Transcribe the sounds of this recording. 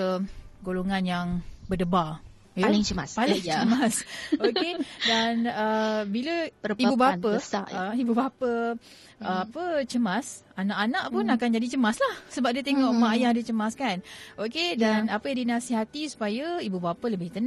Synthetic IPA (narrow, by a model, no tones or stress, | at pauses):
əɡoloŋanjaŋbərdəba | jalŋt͡ʃəaspaliŋt͡ʃəmasokedanəbiləibubapəsa̰əibubapə | əapət͡ʃəmas | anaʔanãʔpʊnakand͡ʒadit͡ʃəmaslahsəbap̚diət̪eŋɔʔmaʔjadit͡ʃəmaskanokedanapəjadinasiɦat̪isu̥pajaibubapələbɪht̪ən